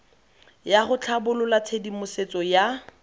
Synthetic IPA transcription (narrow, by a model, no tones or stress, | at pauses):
jaχʊt͡ɬʰabʊlʊlat͡sʰedimʊset͡sʼɔja